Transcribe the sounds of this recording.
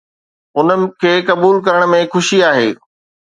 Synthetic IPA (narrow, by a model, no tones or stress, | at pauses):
ʊnə̆kʰeːkɐbuːlkɐɾəɽ̃̆mẽxʊʃiaːɦḛː